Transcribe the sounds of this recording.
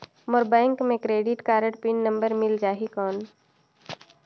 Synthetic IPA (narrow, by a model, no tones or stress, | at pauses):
moɾbɛ̃ːŋkmẽkɾeːɖɪʈkaːɾəʈpinːə̃mbəɾmɪld͡ʒaːɦikɔːn